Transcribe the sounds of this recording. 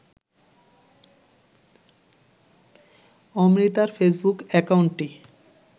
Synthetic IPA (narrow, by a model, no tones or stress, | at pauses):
ɔmɾit̪aɾfesbukɛkawɳʈʈi